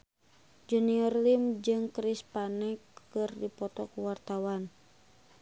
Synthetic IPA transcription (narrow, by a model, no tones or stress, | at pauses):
d͡ʒuniɔrlimd͡ʒɨŋkɾispanɛkːɨrdipɔt̪ɔkuwart̪awan